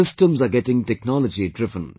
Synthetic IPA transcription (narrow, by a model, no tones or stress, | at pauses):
ɪsʈə̃mzaɡɛʈɪ̃ŋʈɛknɔləd͡ʒiɖɾɪvə̃n